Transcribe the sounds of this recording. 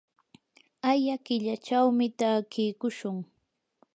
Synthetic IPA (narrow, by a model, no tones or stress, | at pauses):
ajakɪʎat͡ʃawmɪt̪aːkɪjkʊʃʊŋ